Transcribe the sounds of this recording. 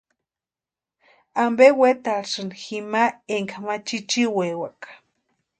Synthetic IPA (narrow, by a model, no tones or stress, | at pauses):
ambewet̪aʂɨnximaeŋkamat͡ʃit͡ʃiwewakḁ